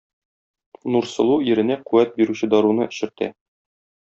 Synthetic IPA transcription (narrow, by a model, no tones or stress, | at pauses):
nuɾsɤ̆lˠuiɾɘ̆næquwæt̪̚biɾʉɕɘd̪ɒɾunɤɘ̆ɕɘ̆ɾt̪æ̰